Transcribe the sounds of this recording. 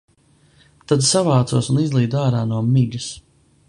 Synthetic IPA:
t̪ad̪savaːt̪suɔsunizlˠiːd̪aːɾaːnuɔmiʎus

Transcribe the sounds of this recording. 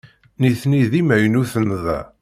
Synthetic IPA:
niθniðimæjnuθənːðæ̰

